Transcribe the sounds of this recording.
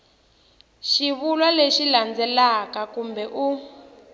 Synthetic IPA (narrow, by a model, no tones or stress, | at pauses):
ʃiβulwaleʃiland͡zɛlakakumbɛʔu